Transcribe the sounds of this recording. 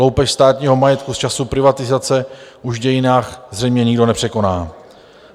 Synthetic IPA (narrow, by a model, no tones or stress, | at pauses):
owpɛʃst̪aːt̪ɲiːɦo̞majɛt̪kust͡ʃasupɾɪvat̪ɪzat͡sɛʔuʒvɟɛjɪnaːxzrɛjmɲɛɲɪɡdo̞nɛpr̥ɛko̞naː